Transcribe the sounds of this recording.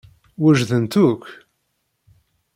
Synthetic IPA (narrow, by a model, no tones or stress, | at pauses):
wæʒðənt̪uk